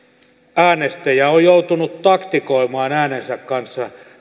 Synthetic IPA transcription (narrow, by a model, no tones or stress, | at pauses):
æːnest̪æjæojjout̪unut̪t̪ɑkt̪ikoimɑːnæːnensækkɑnsːɑ